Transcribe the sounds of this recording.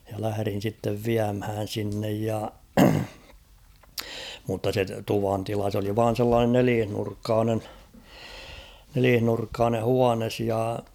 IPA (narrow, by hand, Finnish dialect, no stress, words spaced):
jɑ læhæ̆rin̞ sitːeʋ ʋiæmhæːn̞ sinːej jɑ mutːɑ se tuʋɑntilɑ s oli ʋɑːn̞ selːɑːnen neliːhnurkːɑːnen neliːhnurkːɑːne huɑnes jɑ